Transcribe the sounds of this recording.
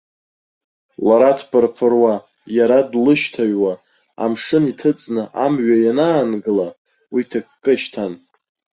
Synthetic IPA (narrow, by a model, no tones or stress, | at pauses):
laɾatʰpʰʼɨrpʰɨrwa | jaɾadlɨʃtʰaɥwa | a̰mʂɨnitʰɨt͡sʼnɨʔamɥajanaːnɡɨla | witʰakʰʼkʼɨʃtʰan